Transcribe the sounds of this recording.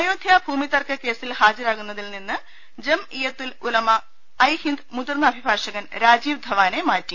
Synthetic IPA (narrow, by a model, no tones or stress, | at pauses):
ɐjoːd̪ʱjaːbʱuːmit̪ɐrkɐke̞ːsilhaːd͡ʑiɾaːɣunːɐðilninːɨ | d͡ʑemijɐt̪ːilulɐmɐ | ɐjhind̪mud̪urnɐɐbʱibʱaːʂɐɣɐnɾaːd͡ʑiːʋd̪ʱɐʋaːnemaːtːi